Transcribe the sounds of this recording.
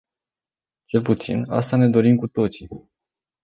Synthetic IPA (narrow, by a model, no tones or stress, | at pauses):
t͡ʃe̞lput̪sḭna̰st̪ane̞d̪o̞ɾimkut̪o̞t̪si